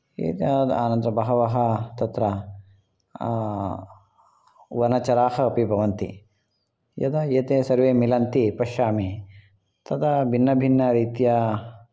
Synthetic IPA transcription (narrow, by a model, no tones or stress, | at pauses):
ḛːt̪jaːd̪a̰ːnɐnd̪ɾɐbɐɦɐʋɐɦɐt̪ɐt̪ɾɐ | ʋɐnɐt͡ʃɐɾaːhɐːpibʱɐʋɐnt̪ḭ | jɐ̰d̪ɐjeːt̪eːsɐɾʋeːmilɐnt̪ipɐʃaːmi | t̪ɐd̪ɐbʱinːɐbʱinːɐɾiːt̪jɐ